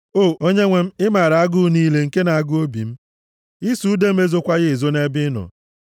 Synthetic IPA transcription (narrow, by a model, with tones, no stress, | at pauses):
o˦˨o˦ɲe˦ŋʷe˦m̩˦ɪ˦ma˨ɾa˨a˦ɡʊ˦niː˦le˨ŋ̩˨ke˦na˨a˦ɡʊ˦o˦bḭ˨m̩˦ | i˦su˨˦de˦m̩˦e˦zo˦kʷa˦ɣɪ˦˨zo˦ne˦bɪ˦nɔ̰˨